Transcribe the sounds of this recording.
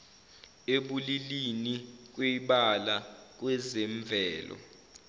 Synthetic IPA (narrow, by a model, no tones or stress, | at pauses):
eɓulilinik̬wiɓalak̬wɛzɛɱb̪vʱɛːlɔ̰